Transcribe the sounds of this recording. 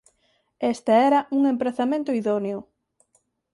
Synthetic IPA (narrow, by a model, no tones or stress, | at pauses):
est̪eɛɾɐuŋempɾeθamẽnt̪ʊiðonjʊ